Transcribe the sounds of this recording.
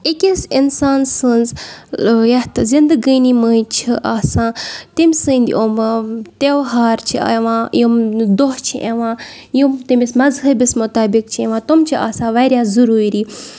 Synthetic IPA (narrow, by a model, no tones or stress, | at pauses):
ikʲisinsaːnsɨnz | jɐt̪zind̪əɡiːniməjt͡ʃʰiʔaːsãːt̪imʲsɨ̃ːnd̪ʲḭʔomt̪ewɦaːɾt͡ʃʰḭeʋãːjumd̪oɦt͡ʃʰiʔeʋãː | jumt̪imʲismɐzɦɐbismʊt̪aːbik̚t͡ʃʰiẽʋãːt̪omt͡ʃʰiʔa̰ːsãːʋɐːɾʲjaːzuɾuːɾiː